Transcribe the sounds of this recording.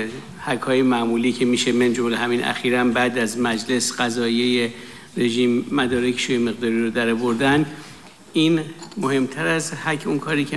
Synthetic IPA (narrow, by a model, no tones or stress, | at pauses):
hækʰhɒːje̞mæʔmuːliːcʰemiːʃemend͡ʒolehæminʔæ̰xiːɾæmbæːd̪æzmæd͡ʒle̞sɢ̥æzɒːjeje | re̞ʒiːmːæd̪ɒːɾekʰe̥ʃoːjeme̞ɣd̪ɒːɾiːɾod̪æɾɒːvo̞ɾd̪ænd̪ | iːnmohe̞mt̪ʰæɾæzhækʰːunkʰɒːɾiːcʰe